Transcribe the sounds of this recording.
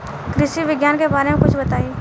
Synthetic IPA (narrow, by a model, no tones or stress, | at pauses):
kɾɪʃiʋɪɡjaːnkebaːɾemẽkʊt͡ʃʰbɐt̪aːiː